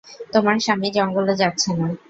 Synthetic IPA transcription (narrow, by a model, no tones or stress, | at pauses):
t̪omaɾʃamid͡ʑɔŋɡolod͡ʑatːɕʰena